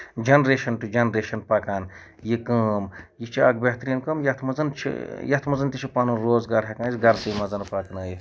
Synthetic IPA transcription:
d͡ʒɐnɾeːʃɐnʈud͡ʒɐnɾeːʃɐnpaːkaːn | jikɐːmjit͡ʃʰia̰ːkbeɦt̪ɾiːnkɐmjɐt̪ʰmɐzɐnt͡ʃʰḭjɐt̪ʰmɐzɐnt̪it͡ʃʰipaːnunɾoːzɡaːɾɦʲekãːnsɡɐɾsiːmɐzɐnpaːknɐːji

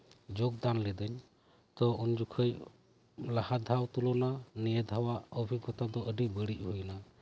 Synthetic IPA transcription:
d͡ʒɔɡ̚d̪anlɛd̪əɲ | t̪ɔund͡ʒukʰəj | lahad̪ʱawt̪ulɔnanijɛd̪ʱawaəbʱiɡɔt̪ad̪ɔʔəɖibəɽic̚ˀhujna

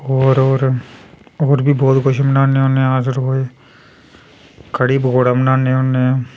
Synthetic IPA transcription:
oːɾoːɾ | oːɾbʱibɔːt̪kʊʃmənãːneonẽaːzɪɾɦoːe | kəɽiːbɡoːɽamnaːneonẽ

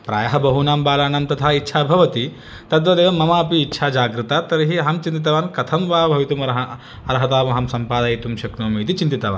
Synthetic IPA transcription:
pɾa̰ːjɐɦɐbɐɦunaːmbaːlaːnɐmt̪ɐt̪ʰaːitːʃʰaːbʱɐʋɐt̪i | t̪ɐt̪ʋɐd̪eːʋɐmːɐmaːɐpiːtːʃʰaːd͡ʒaːɡɾɨt̪aːt̪ɐɾɐɦiɐɦɐmt͡ʃint̪̬it̪ɐʋaːnkɐt̪ʰɐmʋaːbʱɐʋit̪umɐɾɐɦɐ | ɐɾɐɦɐt̪aːmɐɦɐmsɐmpaːd̪aːjit̪umʃɐknoːmiːt̪̬it͡ʃint̪it̪ɐʋa̰ːn

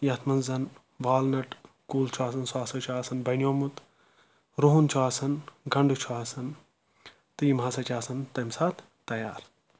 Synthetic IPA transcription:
jɐt̪ʰmɐnzɐn | ʋaːlnɐʈ | kuːlt͡ʃʰuaːsɐnswaːsɐt͡ʃʰuaːsɐnbɐnʲjoːmut̪ | ɾoɦunt͡ʃʰuaːsɐnɡɐɳɖut͡ʃʰuaːsɐn | t̪ɨjimɦaːsɐt͡ʃʲaːsɐnt̪ɐmsaːt̪ʰ | t̪ɐja̰ːɾ

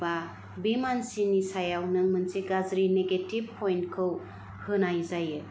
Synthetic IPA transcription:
ba | bimansinisajawnɯŋmɯnseɡazɾineɡetib̚pʰojnkʰɯw | hɯnajzajɯ

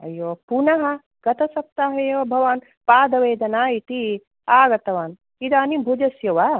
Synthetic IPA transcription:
ɐ̰joːpunɐɦɐ | ɡ̥ɐt̪ɐsɐp̚t̪aːɦɐjeːʋɐbʱɐʋaːn | paːd̪ɐʋeːd̪ɐnaːit̪i | aːɡɐt̪ɐʋaːn | id̪aːnibʱud͡ʒɐsjɐʋɐ

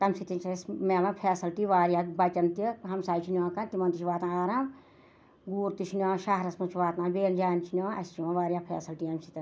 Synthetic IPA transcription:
t̪ɐmsit̪int͡ʃʰsmeːlɐnpʰeːsɐlʈiʋaːɾjaːbɐt͡ʃɐnt̪iɦɐmsaːt͡ʃʰinʲaːkɐnt̪imɐnt̪it͡ʃʰʋaːt̪nãːaːɾam | ɡuːɾt̪it͡ʃʰinjãːʃaɦɾɐsmɐt͡ʃʰiʋaːt̪naːbeːld͡ʒaːnt͡ʃʰinʲãːɐ̰st͡ʃʰimãʋaːɾʲjaːpʰḛːsɐlʈiɐmsʰit̪ɐn

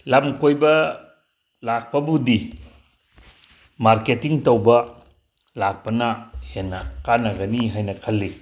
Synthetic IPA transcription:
lamkojbɐ | lak̚pɐbudi | maɾketiŋtowbɐ | lak̚pɐnahenːɐkanɐɡɐniɦajnɐkʰɐlːi

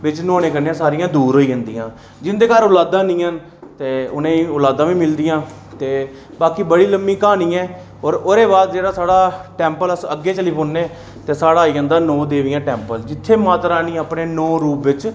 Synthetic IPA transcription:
ʋɪt͡ʃnɔ̃ːneːkənːẽsaːɾɪjãːd̪uːɾɦoːiːə̃nd̪iːãː | d͡ʒɪnd̪eːkaːɾʊlaːd̪ãːnĩːən | t̪eːʊnẽːʊlaːd̪ãːʋĩːmɪld̪ijãː | t̪eː | baːkiːbəɽiːləmːĩːkaːnĩːɛː | ɔːɾoːɾeːbaːd̪d͡ʒeːɽaːsaːɽaːʈɛːmpələsəɡːeːt͡ʃəliːpʰoːnːeː | t̪eːsaːɽaːiːə̃nd̪aːnɔ̃ːd̪eːʋɪjãːʈɛːmpəld͡ʒɪt̪ʰːeːmaːt̪ɾaːnĩːəpneːnɔːɾuːpʋɪt͡ʃ

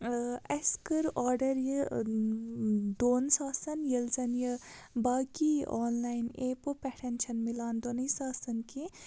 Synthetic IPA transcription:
eskəɾɔːɾɖɐɾjə | d̪oːnsaːsɐnjilzɐnjə | baːɡiɔːnlaːjneːpopeʈʰent͡ʃʰɐnmilaːnd̪onisaːsɐnki

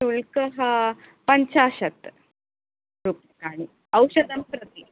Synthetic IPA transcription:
uɭkəɦa | pəɲt͡ɕaːɕət̪ | ɾupjəkaɽ̃i | əwɕəd̪əmpɾət̪i

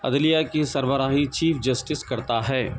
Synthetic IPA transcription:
ɐ̰d̪lijakisɐɾbəɾaːɦit͡ʃiːfʰd͡ʒɐsʈɪskɐɾt̪aɦɛː

